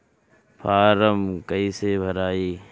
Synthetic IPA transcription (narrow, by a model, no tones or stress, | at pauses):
pʰaːɾəmkɐisebʱɐɾaːiː